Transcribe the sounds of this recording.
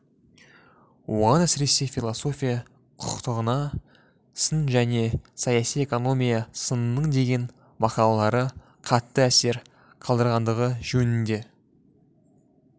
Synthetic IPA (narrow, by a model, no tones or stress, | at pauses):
wo̞̰ʁɑnæsɪɾe̞se̞fʲilˠoso̞fʲijɑ | qʰʊ̥qt̪əʁənɑ | sənʒæne̞sɑjɑsije̞ko̞no̞mʲijɑsənənəɴd̪e̞ɡʲe̞n | mɑqɑlˠɑlˠɑɾə | qʰɑt̪ːəæse̞ɾ | qʰɑlˠd̪əɾʁɑnd̪əʁəʒɵnɪŋd̪e̞